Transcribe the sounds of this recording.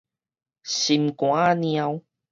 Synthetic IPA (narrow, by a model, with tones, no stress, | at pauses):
si˨mkwa˦ni˧a˧w